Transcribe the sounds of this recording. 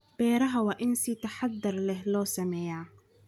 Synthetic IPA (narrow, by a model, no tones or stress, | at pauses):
b̥ɛːɾɐɦɐwɑːʔɪnsit̪ʰɐħɑd̪ːɐrlɛɦlɔːsɐmɛːjaː